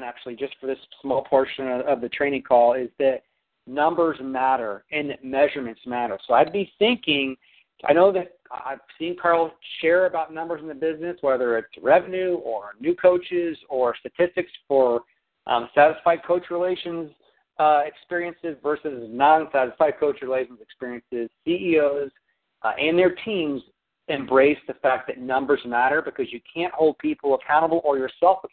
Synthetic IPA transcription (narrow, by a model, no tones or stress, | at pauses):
næk̚t͡ʃʉl̩ˠid͡ʒʌstfə˞ðɪssmɔlˠpʰɔɹʃɨ̃nʌʌvðɨtʰɹ̥eɪ̃ɪ̃ŋkʰɔlˠɪzðɨt̚ | nʌ̃mbə˞zmæɾə˞ɪ̃nðɨt̚mɛʒə˞mɨ̃ntsmæɾə˞soʊaɪd̚biθɪ̃ŋkɪ̃ŋ | aɪñoʊðɨt̚aɪv̥sĩnkʰɑɹl̩ˠʃɛɹɨbaʊtⁿnʌ̃mbə˞zn̩ðɨbɪznɨswɛðə˞ɪtsɹɛvɨ̃nʉə˞nʉkʰoʊt͡ʃɪzə˞stɨtʰɪstɨksfə˞ | ʔsæɾɨsfaɪd̚kʰoʊt͡ʃɹileɪʃɨ̃nz | ɪkspɪɹiɨ̃nsɨzvɜ˞sɨznɑ̃nsæɾɨsfaɪd̚kʰoʊt͡ʃɹɨleɪʃn̩zɨkspɪɹiɨ̃nsɪz̥siioʊz | ɨ̃nðə˞tʰĩmz | ɨ̃mbɹeɪsðɨfæk̚ðɨtⁿnʌ̃mbə˞zmæɾə˞bɨkʰʌzjɨkʰæ̃nʔhoʊlˠd̚pʰipʰl̩ˠəkʰãʊ̃ɾ̃əbl̩ˠə˞jə˞sɛlˠfə